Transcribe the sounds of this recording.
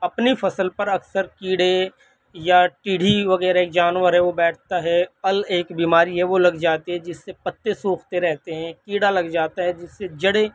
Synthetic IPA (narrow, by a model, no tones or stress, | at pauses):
ɐpnifʰɐsəlpɐɾɐksəɾkiːɽe | jaʈiːɽ̤ʱiʋɐɣɛːɾaeːk̚d͡ʒaːnʋəɾɦɛʋobɛːʈʰt̪aɦɛɐleːkbiːmaːɾiɦɛʋolɐɡd͡ʒaːt̪eɦɛ̃d͡ʒɪsːepɐt̪ːesũːkʰt̪eɾɛɦt̪eɦɛ̃kiːɽalɐɡd͡ʒaːt̪aɦɛ̃d͡ʒɪsːed͡ʒɐɽe